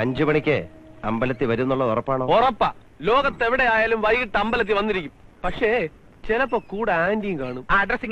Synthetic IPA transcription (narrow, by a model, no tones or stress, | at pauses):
ɐɲd͡ʑumɐɳikʲːɨɐmbɐlɐt̪ːiʋɐɾunːuɭːɐðorɐpːaːɳo̞ːorɐpːaː | lo̞ːɣɐt̪ːe̞ʋiɽe̞jaːjaːlumʋɐjkiʈːɨɐmbɐlɐt̪̬ːiʋɐnːiɾikʲːumpɐkʂe̞ | t͡ɕelɐpːoːkuːɽeaːndijmkaːɳumaːɐɖrɐsiŋ